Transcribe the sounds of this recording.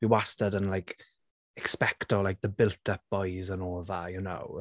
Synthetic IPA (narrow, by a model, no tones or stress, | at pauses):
b̥iwastədənlajkʰ | ɛkspɛktɔlajk̚ðəbɪlˠtʰəp̚b̥ɔjzənɔːðajəno̰w